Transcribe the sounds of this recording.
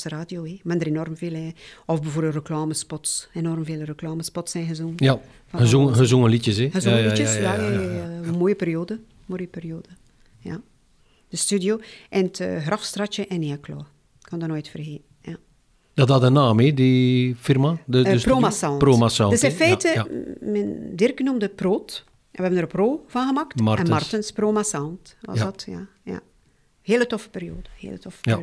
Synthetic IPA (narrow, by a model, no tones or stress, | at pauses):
səraːdjoemɛndəɾenɔrmveːlɛɔfbəvoːrɾbərəklaːməspɔtsenɔrmveːlərəklaːməspɔtsɛnɣəzunja | fɔəzuŋhəzuŋəlitjəsɛhəzuŋəliəsjaɛmoːjəpeɾjoːdə | moːjəperjoːdə | ja̰ | d̥əstydjoʔɛnətːɣrɑfstrɑt͡ʃəʔɛniaklɔ̰ː | kʰɔndɔnoːjtfərɦeːnja | d̥ɔtadənaːmidifirmaspoːmasɑnproːmasadøsɪ̃nfɛːtəmɛndɪrkənumdəproːt | ʔɛnəɛbənəɾproːv̥ɑnɣəmaktmɛnmarənsproːmasantʋɑ̰dɔtja̰ja̰ | heːlətɔfə̥perɾjoːdəhḛːlətɔfə̥